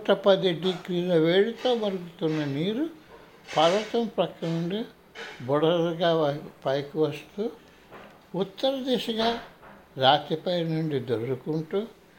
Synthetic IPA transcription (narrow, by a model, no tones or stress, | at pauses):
kuʈɐpɐd̪iɖikɾiːlɐʋeːɽit̪o̞ːmɐɾuɡut̪unːɐniːɾu | pɐɾʋɐt̪ɐmpɾɐkːɐnuɳɖi | bɔɽɐɾɡaːpɐjkuʋɐst̪uː | ut̪ːɐɾɐd̪ɛːʃɐɡaː | ɾaːt̪ipɐjnuɳɖid̪oɾɾukuɳʈuː